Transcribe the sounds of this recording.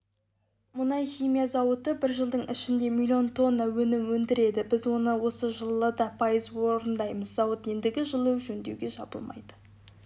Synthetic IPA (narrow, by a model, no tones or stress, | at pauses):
mʊnɑjχijmijɑzɑwət̪əbɪɾʒəlˠd̪əɴɪʃɪnd̪e̞mʲilʲijo̞nt̪ʰo̞nːɑwɵnɪmwɵnd̪ɪɾe̞d̪ɪbɪzwo̞nəwo̞səʒəlˠːəd̪ɑpʰɑjəzwoɾənd̪ɑjməzzɑwət̪je̞nd̪ɪɡʲɪʒəlˠewʒɵnd̪ewɡʲe̞ʒɑ̰bəlˠmɑ̰jd̪ə̥